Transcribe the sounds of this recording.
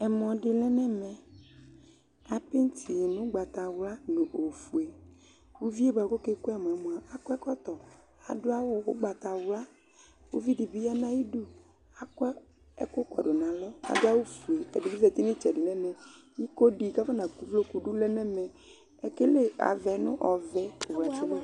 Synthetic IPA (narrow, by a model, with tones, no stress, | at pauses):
ɛ˨mɔ̃˨ɖɪ˨lɛ˦nɛ̃˦mɛ̃˨ | a˨pe˦n̩˦t̪ʰi˨e˨nʊ̃˦ɡ͡ba˨t̪a˨wla˦nõ˨ʔo˨fu˨e˨ | wu˦vi˦e˦ba˨ko˦ke˦ku˦a˨m˨a˨mõ˨a˨a˨kɔ˦ɛ˦kɔ˦t̪ɔ˨ | a̰˨ɖo˦a˦wʊ˦wo̰˦ɡ͡ba˨t̪a˨wla˦ | wo̰˦vi˦ɖi˨bi˦ja˦nã˦ji˦ɖu˦ | a˨kɔ˦ | ɛ̰˦kʊ˦kɔ̰˨ɖo˨nã˨lɔ˦a̰˨da˦wo˦fu˨e˨e˨di˨i˦vɛ˨t̪e˦n˦i˦t͡ʃɛ˨ɖi˨nɛ̃˦mɛ̃˨ | ɲi˦ko˦ɖi˨ka˦fa˦nã˨ku˦vlo˦ku˨ɖu˦lɛ˦nɛ˦mɛ̃˨ | e˨ke˦le˦a̰˨vɛ˨nʊ̰̃˦ʔɔ˨vɛ˦o˨wla˨t͡ʃi˦ba˦